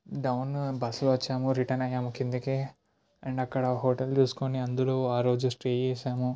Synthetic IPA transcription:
ɖɐwnbɐsluʋɐt͡ʃːaːmuɾiʈɐnɐjaːmukind̪ikeː | ɐɳɖɐkːɐɽɐɦoːʈɐld͡ʒuːsu̥koniɐnd̪ulo̞ːaːɾoːd͡ʒusʈɾeːd͡ʒeːʃaːmu

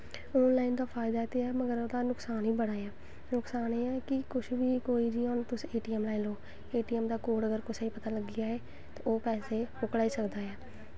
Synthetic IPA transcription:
ɔːnlaːind̪aːpʰaːɪd̪aːt̪eɛːməɡəɾod̪aːnʊksaːnɦiːbəɽ̃aːɛː | nʊksaːneːɛːkɪkʊʃʰʋiːkoːiːd͡ʒiːoːnt̪ʊsieːʈiːɛmlaːɪloː | eːʈiːɛːmd̪aːkoːɖəɡəɾkʊt͡ʃaiːpət̪aːləɡɪaːeː | t̪aoːpɛːseːɦʊkɽaːiːsəkd̪aːɛː

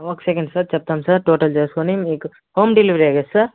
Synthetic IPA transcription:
oːksekeɳɖsaɾt͡ʃɐp̚t̪aːmsaɾʈoːʈɐld͡ʒeːskonimiːk | hoːmɖiliʋɾiaːɡesaɾ

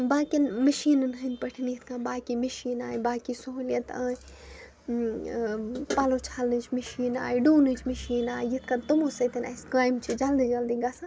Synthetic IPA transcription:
baːkinməʃiːnɨnɦɨnpɐʈʰiniit̪ʰkãːbaːkimɐʃiːnaːjbaːkisoɦljɐt̪a̰ːi | paːlot͡ʃʰalnɨt͡ʃʰməʃiːna̰ːjɖuːnɨt͡ʃʰmiʃiːnaːjjit̪ʰkat̪umosɐt̪ɐnɐ̰skaːjmt͡ʃʰid͡ʒalnɨd͡ʒald̪iɡasa

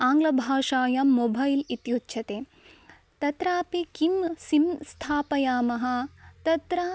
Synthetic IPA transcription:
aːŋɡlɐbʱaːʂaːjɐmobʱɐjlit̪jutːʃʰɐt̪e | t̪ɐt̪ɾaːpekimsimst̪ʰaːpɐjaːmɐɦɐ̆t̪ɐt̪ɾa

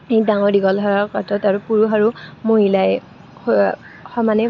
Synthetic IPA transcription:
ejdaŋɔɹdiɡɔlɦɔɹakɔtɔtaɹupuɹuxaɹumoɦilaj | xɔmanɛ

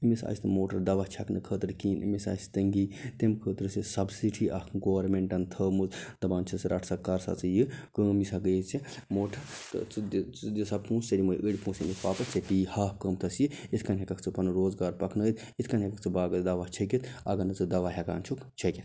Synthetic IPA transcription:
imisa̰ːsʲt̪ɨmoːʈɐɾd̪ɐʋat͡ʃʰɐknɨkʰəːt̪ɨɾkiːnʔimisa̰ːsʲt̪ɐŋɡiːt̪emkʰəːt̪ɾɨsisɐbsiʈʰiʔɐhɡoːʋɐɾmeɳʈɐnt̪ʰəːmuzd̪̥ɐbaːnt͡ʃʰɐsɾɐʈʰsɐkːɐɾsa̰t͡sɨjikəːmisaɡəjt͡simoːʈʰɐt̪t͡s̪isɐb̚pũːsɐɾimujʔəɽʲpũːsimit̪ʰpaːpɐt͡sɐpiːhaːhkəːmt̪ʰɐsjiit̪ʰkɐnɦekɐkʰt͡sɨpɐnɨɾoːzɡaːɾpɐkʰnəːt̪ | it̪ʰkɐnɦekɐkt͡sʰɨbaːɡɐd̪ɐʋat͡ʃʰɐkʲit̪ʰɐ̰ɡɐnɨt͡sɨd̪ɐʋaɦɐka̰ːnt͡ʃʰukt͡ʃʰɐkʲit̪ʰ

